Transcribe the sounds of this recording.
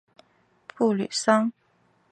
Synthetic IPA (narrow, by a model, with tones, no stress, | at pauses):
pʰu˥˩ly̰˨˩sɑ˥ŋ